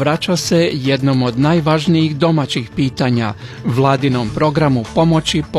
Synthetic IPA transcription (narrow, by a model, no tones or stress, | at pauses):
ʋɾat͡ʃase̞jed̪no̞mo̞d̪naːjʋaːʒnijiɣd̪o̞mat͡ɕixpiːt̪aːɲa̰ʋlˠaːd̪ino̞mpɾo̞ɡɾamupo̞mo̞t͡ɕip